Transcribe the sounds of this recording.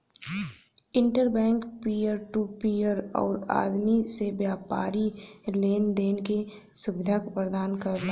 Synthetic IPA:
ɪ̃ɳʈəɾbɛ̃ːŋkpijəɾʈupiːəɾɔ̰ːɾa̰ːd̪misebjaːpaːɾileːnd̪eːnke | sʊbɪd̪ʱakpəɾd̪aːnkəɾla

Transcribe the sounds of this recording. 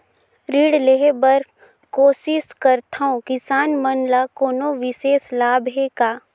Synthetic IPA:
ɾiːɽleɦebəɾ | koːsɪskəɾt̪ʰaõkɪsaːnmənlakoːnoʋɪseːslaːbʱɦekaː

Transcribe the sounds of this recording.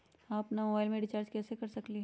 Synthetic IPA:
ɦãɐpnamobaːɪlmẽɖɪt͡ʃaːɾd͡ʒkɛːsekɐɾsɐkliɦ

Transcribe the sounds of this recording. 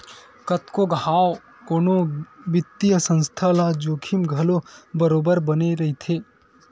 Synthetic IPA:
kət̪koɡʱaːw | koːnoʋɪt̪ːijəsə̃nst̪ʰalad͡ʒoːkʰɪmɡʱɐlobəɾoːbəɾbəneɾɐɦit̪ʰeː

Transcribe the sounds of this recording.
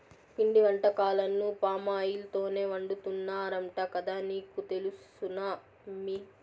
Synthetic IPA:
piɳɖiʋɐɳʈɐkaːlɐnːupaːmaːjilt̪o̞ːne̞ːʋɐɳɖut̪unːaːɾɐɳʈɐkɐd̪aːniːkut̪e̞lus | unɐ | mi

